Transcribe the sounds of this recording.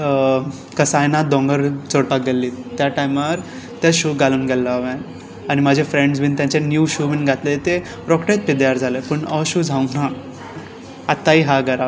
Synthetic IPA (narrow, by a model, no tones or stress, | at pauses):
kəsajnad̪ɔ̃ŋɡəɾt͡səɽpaelːiːt̪jaʈajmaɾ | t̪jaɕuːɡaluːnɡʱɛlːaʋẽ | aɽ̃imad͡ʑʱefɾeɳɖzbint̪jãɲt͡ɕenjuːɕubiːnɡʱat̪let̪e | ɾɔkʈet̪̚pid̪jaɾd͡zʱalepəɳəɕuːd͡zʱauna | t̪ːaiɦaɡəɾa